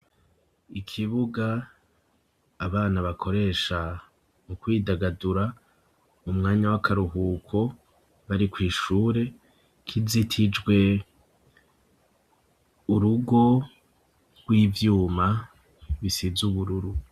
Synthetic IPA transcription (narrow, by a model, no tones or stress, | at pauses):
ikʰiβuɡa | βaːnaβakʰo̞ɾe̞ːʃa | mukwiːdaɡaduɾa | umŋaːɲawakʰaɾuɦuːkʰo̞ | βaɾikwiːʃuːɾe̞ | kʰizitʰid͡ʒɡwe̞ | uɾuɡo̞ | ɡ̥wiːvjuːma | βisizuβuɾuɾu